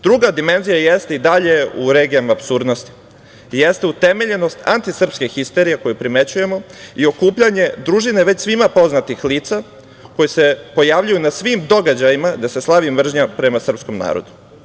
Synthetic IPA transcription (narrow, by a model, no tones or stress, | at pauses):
d̪ɾuɡad̪ime̞nzijajest̪eid̪aʎe̞uɾeɡijamaːpsuɾd̪no̞st̪i̥ | jest̪eut̪e̞me̞ʎe̞no̞st̪a̰nt̪isr̩pskexist̪e̞ɾijeko̞jupɾime̞t͡ɕuje̞mo̞io̞kuːpʎaɲe̞d̪ɾuʒine̞ʋe̞t͡ɕsʋimapo̞znat̪ixliːt̪sa | ko̞jese̞po̞jaʋʎujunasʋimd̪o̞ɡad͡ʑajimad̪ase̞slˠaʋimʋr̩ʒɲapɾe̞masr̩psko̞mna̰ːɾo̞̰d̪u̥